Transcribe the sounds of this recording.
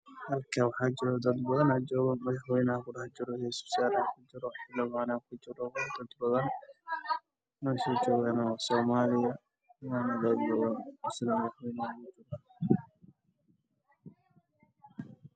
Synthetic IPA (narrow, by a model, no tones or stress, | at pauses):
hɐlkʰaːwɑħaːd͡ʒɪɾɔd̪ɐd̪bɐðɐnɐd͡ʒɔːɣɐnmɐðɐħwɛjnakʊɽɑħd͡ʒɪɾɔhɛsb̥sjaːlaːkʰʊd͡ʒɪɾɔħɪlɐmaːnakʰʊt͡ʃɪɾɔwd̪ɐd̪bɐðɐn | nɔːsɔːd͡ʒɔːɣaːnɐwɑsɔːmaːlɪjɐ | maːnɐd̪ɐd̪bɐðɐnɔsɪlɐmɐðɐħwɛjnakʊd͡ʒɪrɐ